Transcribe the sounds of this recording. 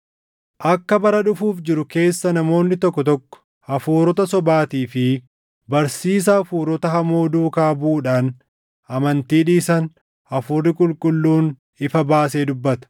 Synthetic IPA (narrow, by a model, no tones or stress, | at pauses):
ʔɐkːɐbɐɾɐᶑʊfuːfd͡ʒɪɾʊke̞ːsːɐnɐmo̞ːnːɪt̪ɔkːɔt̪ɔkːɔ̥ | hɐfuːɾɔt̪ɐsɔbaːt̪iːfɪ | bɐɾsiːs̬ɐːfuːɾɔt̪ɐɦɐmoːd̪uːkaːbuːᶑaːn | ɐmɐnt̪iːᶑiːsɐn | ɐfuːrɪkʼʊlkʼʊlːuːn | ɪfɐbaːseːd̪ʊbːɐt̪ɐ̥